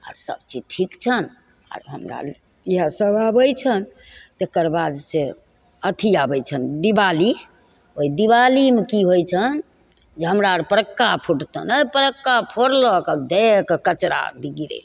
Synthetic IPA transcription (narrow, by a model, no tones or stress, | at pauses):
a̰ːɾsə̰b̚t͡ʃid͡ʒʈʰikt͡ʃʰən | a̰ɾɦəmɾa̰ | iɦasəbʱabəjt͡ʃʰən | t̪ekəɾbad̪se | ət̪ʰiabəjt͡ʃʰənd̪ibali | oid̪iβalimekiɦojt͡ʃʰən | d͡ʒeɦəmɾaɾpəɾəkːapʰuʈt̪ə̰nəpəɾəkːapʰoɾlɔkəbd̪ekekət͡ʃɾa̰d̪iɡiɾḛ